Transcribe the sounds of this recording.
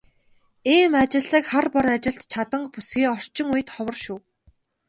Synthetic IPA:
iːmat͡ɕɪ̆ɮĭkχarpɔɾat͡ɕɪ̆ɬt̪t͡ɕʰat̪ə̆ɴpusɡiːɔr̥t͡ɕɪ̆ŋuj̆t̪χɔwə̆rʃuː

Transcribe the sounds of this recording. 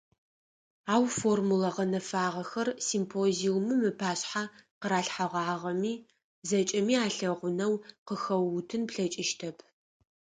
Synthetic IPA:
aːwformulɐʁɐnɐfaːʁɐxɐrsimpʰoːziwmɨmɨpʰaːɕħaqəɾaːɬħaʁʷɑːʁɐmiː | zɐt͡ʃʼɐmiːaːɬɐʁʷʊnɐwqəxɐwʊtʰɨnpɬɐt͡ʃʼɪʃtʰɐpʰ

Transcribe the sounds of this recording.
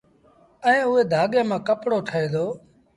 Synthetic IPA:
əẽːʊɦeːd̪ʱaːɠeːmãːkəpɽoːʈʰəeːd̪oː

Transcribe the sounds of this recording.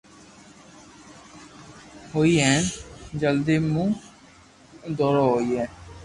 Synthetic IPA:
ɦoːiːɦɛːnd͡ʒəld̪eːmũː | d̪ɔːɾaːɦoːiːɦɛː

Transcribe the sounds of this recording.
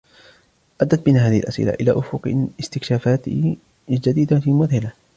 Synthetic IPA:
ʔad̪ːat̪̚bɪnaːɦaːðɪhɪlʔasʔɪ̰la̰ʔɪla̰ːʔʊfʊqɪst̪ɪkʃaːfaːt̪ | ld͡ʒad̪iːd̪afiːlmʊðhɪla

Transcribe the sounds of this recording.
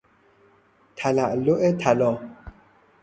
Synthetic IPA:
tʰalaʔloʔetʰalɔ

